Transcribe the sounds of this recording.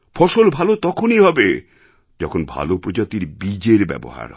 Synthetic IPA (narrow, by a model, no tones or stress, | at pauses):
fʰɔʃolbʱalot̪ɔkʰoniɦɔbe | d͡ʑɔkʰonbʱa̰lopɾod͡ʑat̪iɾbid͡ʑeɾbɛ̰bo̰ɦa̰ɾ